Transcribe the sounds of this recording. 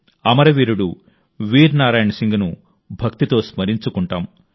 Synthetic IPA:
ɐmɐɾɐʋiːɾuɽu | ʋiːɾnaːɾaːjɐɳɐsiŋɡɐnu | bʱɐkt̪it̪o̞ːsmɐɾiɲt͡ʃukuɳʈaːm

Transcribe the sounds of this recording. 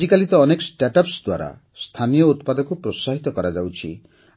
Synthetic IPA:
ikalit̪ɔːnekɔsʈaʈɔpsd̪waɾa̰ | st̪ʰanijɔut̪pad̪ɔkupɾosaɦit̪ɔkɔɾad͡ʒawt͡ʃʰḭ

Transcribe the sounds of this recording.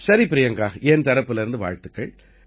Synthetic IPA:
sɐɾipɪɾɪjɐŋɡaːɐent̪ɐɾɐpːɯlɪɾɯnd̪ɯʋa̰ːɻt̪ɯkːɐɭ

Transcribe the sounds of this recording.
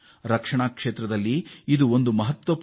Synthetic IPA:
ɾɐkʂɐɳaːkʂeːt̪ɾɐd̪ɐlːiːd̪uond̪umɐɦɐt̪ʋɐp

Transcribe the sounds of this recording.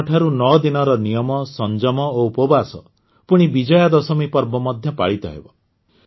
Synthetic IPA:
ʈʰaɾunɔd̪inɔɾɔnijɔmɔsɔnd͡ʒɔmɔoupɔbasɔ̰ | puɽ̃ibid͡ʒɔjad̪ɔsɔmipɔɾbɔmɔd̪ʱjɔpa̰ɭit̪ɔ̰ɦḛbɔ

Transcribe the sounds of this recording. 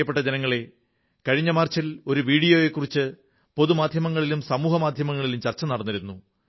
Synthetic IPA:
ɐpːeʈːɐd͡ʑenɐŋːɐɭe̞ | kɐɻiɲːɐmaːrt͡ɕilo̞ɾuʋiːɽijoːje̞kːurit͡ɕːɨ | po̞ðumaːd̪ʱjɐmɐŋːɐɭilumsɐmuːɦɐmaːd̪ʱjɐmɐŋːɐɭilumt͡ɕɐrt͡ɕːɐnɐɽɐnːɐɾunːu

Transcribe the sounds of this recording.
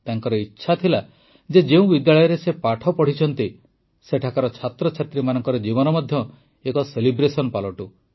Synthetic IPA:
t̪aŋkɔɾɔitːʃʰat̪ʰila | d͡ʒed͡ʒeũbid̪jaɭɔjɔɾesepaʈʰɔpɔɽ̤it͡ʃʰɔnt̪i | seʈʰakaɾɔt͡ʃʰat̪ɾɔt͡ʃʰat̪ɾimanɔŋkɔɾɔd͡ʒiβɔnɔmɔd̪ʱjɔ | ekɔselibɾesɔnpalɔʈu

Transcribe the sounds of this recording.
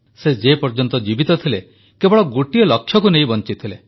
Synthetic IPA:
sed͡ʒepɔɾd͡ʒɔnt̪ɔd͡ʒibit̪ɔt̪ʰile | kebɔɭɔɡoʈiɔlɔkʰːjɔkunejbɔnt͡ʃit̪ʰile

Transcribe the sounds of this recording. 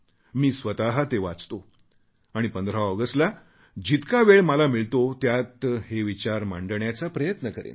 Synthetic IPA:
miːsʋət̪aɦat̪eʋat͡st̪o | aɽ̃ipənd̪ɾaɔɡəsʈla | d͡ʑit̪kaʋeɭməlamiɭt̪ot̪jat̪heʋit͡ɕaɾma̰ɳɖəɳjat͡sapɾəjət̪nəkəɾḛn

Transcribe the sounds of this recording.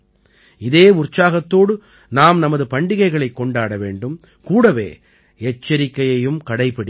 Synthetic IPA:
ɪðeːʊrt͡ʃːaːɣɐt̪ːoːɽɯ | naːmnɐmɐðɯpɐɳɖɪɣɐɪɣɐɭɐɪkːɔɳɖaːɽɐʋḛːɳɖɯm | kuːɽɐʋḛː | ɛt͡ʃːɐɾɪkːɐjɐjɯmkɐɽɐɪpɐɽi

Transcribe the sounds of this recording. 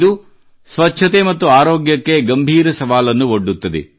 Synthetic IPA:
d̪u | sʋɐtːʃʰɐt̪emɐt̪ːuaːɾoːɡjɐkːe̞ɡɐmbʱiːɾɐsɐʋaːlɐnːuoɖːut̪ːɐd̪ḛ

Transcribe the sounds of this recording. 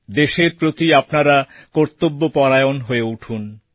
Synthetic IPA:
d̪eʃeɾpɾot̪iapnaɾakoɾt̪obːopɔɾajonɦoeuʈʰun

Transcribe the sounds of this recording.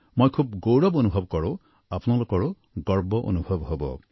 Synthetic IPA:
mojkʰub̚ɡowɹɔbonubʱɔbkɔɹʊ̃ | apunalokɔɹʊ | ɡɔɹbɔʔo̰nubʱɔbɦobɔ̰

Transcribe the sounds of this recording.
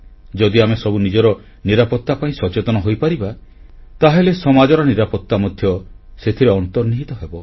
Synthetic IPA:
d͡ʒɔd̪iamesɔbunid͡ʒɔɾɔ | niɾapɔt̪ːapaĩsɔt͡ʃet̪ɔnɔɦojpaɾibat̪aɦelesɔmad͡ʒɔɾɔniɾapɔt̪ːamɔd̪ʱjɔset̪ʰiɾeɔnt̪ɔɾniɦit̪ɔɦebɔ

